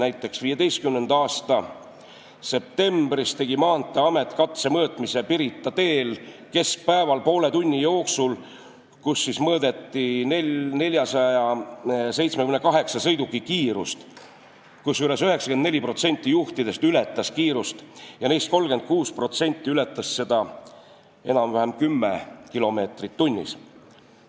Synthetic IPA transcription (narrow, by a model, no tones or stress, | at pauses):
næjt̪ːˑe̞ksviːjed̪e̞jst̪kymne̞nd̪ɑːst̪ɑ | se̞p̚t̪e̞mb̥rist̪e̞ɡ̥imɑːnt̪ːˑeɑme̞t̪ːˑkɑt̪se̞mɤːt̪ˑmise̞piɾit̪ːˑɑt̪e̞ːlke̞sk̚pæevɑlpo̞ːle̞t̪unʲːijo̞ːksul | kusːismɤːd̪e̞t̪ːinene̞lʲjɑsɑjɑse̞jt̪smekymnekɑɦe̞ksɑsɤ̞jd̪ukːˑikiːɾṵst̪ | kusːyle̞syɦe̞ksɑkend̪ne̞lʲipro̞t̪se̞nʲt̪ːˑijuht̪id̪̥e̞st̪yle̞t̪ˑːɑskiːɾust̪jɑnest̪̚ko̞lɡ̥e̞nd̪̚kuːspro̞t̪se̞nʲt̪ˑːiyle̞t̪ˑːɑsːe̞d̪̥ɑ | e̞̰nɑmvæɦemkymːḛkilo̞me̞ːt̪rit̪ːunʲːḭs